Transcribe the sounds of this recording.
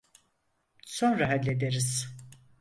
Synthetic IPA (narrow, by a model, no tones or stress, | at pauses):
so̞nɾaɦad̪lːʲed̪eɾiz̥